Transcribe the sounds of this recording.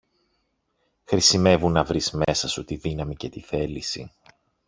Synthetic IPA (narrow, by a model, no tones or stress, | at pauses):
xɾisime̞vunːɐvɾizme̞sɐsut̪iðinɐmice̞t̪iθe̞lisi